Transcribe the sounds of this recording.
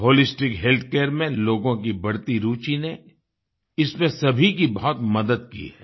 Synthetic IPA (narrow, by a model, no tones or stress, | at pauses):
ɦoːlɪsʈɪkɦeːlt̪ʰkeːɾmẽloːɡõk̬ibɐɽt̪iɾuːt͡ʃine | ɪsmẽsɐbʱikibɐɦɔt̪mɐd̪əd̪kḭɦɛɛː